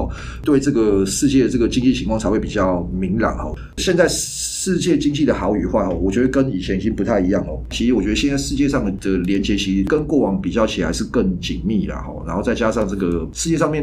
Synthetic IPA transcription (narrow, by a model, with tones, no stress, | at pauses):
t̪we˥˩ɪʈ͡ʂɤ˥˩ɡə˩ʂɻ̩˥˧t͡ɕjɛ˥˩d̪ə˩ʈ͡ʂɤ˥˩ɡə˩t͡ɕi˥ŋt͡ɕi˥˩i˧˥ŋkʰwɑ˥˩ŋt͡sa˧˥ɪwe˥˩pi˨˩t͡ɕjɑ˥˩ʊmi˧˥ŋla̰˨˩nxɔ̰˥˩ | ɕjɛ˥˧nt͡sa˥˧ɪ | ʂɻ̩˥˧t͡ɕjɛ˥˩t͡ɕi˥ŋt͡ɕi˥˩d̪ə˩xɑ˧˥ʊy˨˩xwa̰˥˩xɔ˨˩wɔ˨˩t͡ɕɥɛ˧˥d̪ə˧kə˦ni˨˩t͡ɕʰjɛ˧˦ni˨˩t͡ɕi˦ŋpu˧t̪ʰa˥˩ɪi˧˦jɑ˥˩ŋə˨˩t͡ɕʰi˧˥ʂ̩˧˥wɔ˨˩t͡ɕɥɛ˧˥d̪ə˧jɛ˥˧nt͡sa˥˩ʂɻ̩˥˧t͡ɕjɛ˥˧ʂɑ˥˩ŋd̪̥ə˩ljɛ˧˥nt͡ɕjɛ˧˥t͡ɕʰi˧˥ʂ̩˧˥kə˦˥nkwɔ˥˩wɑ˧˥ŋpi˨˩t͡ɕjɑ˥˩ʊt͡ɕʰi˨˩la̰˧˥ɪʂɻ̩˥˧kə˥˩ŋt͡ɕi˨˩ŋmi˥˩ləɐ̰˩xɔ̰˨˩na̰˧˥nxo˥˧ʊt͡sa˥˩ɪt͡ɕja˥ʂɑ˥˧ŋt͡sɤ˥˩ɡə˩ʂɻ̩˥˧t͡ɕjɛ˥˧ʂɑ˥˧mjɛ˥˨n